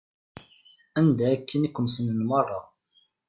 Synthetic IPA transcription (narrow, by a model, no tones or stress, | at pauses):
ænd̪ækʰːənikːʊmsənənmɑrˤːɑ